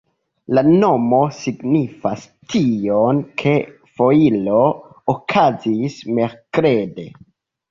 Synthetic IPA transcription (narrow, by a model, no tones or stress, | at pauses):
lano̞mo̞siɡnifas | tʰionkʰe̞ | fo̞ilo̞ | okʰazisme̞ɾkɾe̞de̞